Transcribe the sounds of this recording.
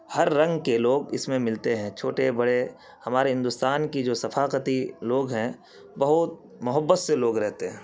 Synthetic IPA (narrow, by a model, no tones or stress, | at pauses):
hɐɾːɐ̃ŋɡkeloːɡɪsmẽmɪlt̪eɦɛ̃ːt͡ʃʰoːʈebɐɽe | hɐmaːɾeɦɪ̃nd̪ʊst̪aːnkid͡ʒoːsɐfaːqət̪iloːɡɦɛ̃ | bɐɦʊt̪̚ | mʊɦəbːət̪seloːɡɾɛɦt̪eɦɛ̃ː